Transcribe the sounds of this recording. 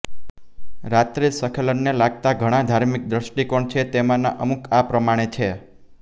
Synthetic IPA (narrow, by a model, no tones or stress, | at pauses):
ɾat̪ɾisəkʰələnnelaɡ̚t̪aɡʱəɽ̃ãd̪ʱaɾmik̚d̪ɾəʃʈikoɳt͡ʃʰet̪emãnaʔəmukʰapɾəmaɽ̃et͡ʃʰe